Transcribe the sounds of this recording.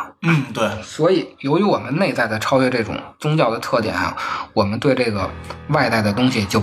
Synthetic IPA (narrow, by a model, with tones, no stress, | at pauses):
n̩˥˩t̪we˥˩ɪswɔ˧˥i˨˩jo˧˥ʊy˧˥wɔ˨˩mə˦nne˥˧ɪt͡sa˥˩ɪd̪ə˩ʈ͡ʂʰɑ˥ʊɥɛ˥˧ʈ͡ʂɤ˥˩ʈ͡ʂʊ̰˨˩˦ŋt͡sʊ˥ŋt͡ɕjɑ˥˩ʊd̪ə˩t̪ʰɤ˥˩t̪jɛ̰˨˩nɐ̰˧wɔ˨˩mə˦nt̪we˥˧ɪʈ͡ʂɤ˥˩ɡə˩wa˥˧ɪt̪a˥˩ɪd̪ə˩t̪ʊ˥ŋɕi˨˩t͡ɕjo˥˩ʊ